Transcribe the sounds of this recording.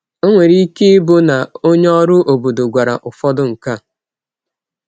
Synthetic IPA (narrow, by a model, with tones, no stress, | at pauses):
o˦ŋʷe˨ɾi˦i˦ke˦bʊ˦na˨o˦ɲ˦ɔ˦ɾʊ˦ʔo˨bo˨do˨ɡʷa˨ɾa̰˨ʔʊ˨fɔ˦dʊ˦ŋ̩˨ka˦˨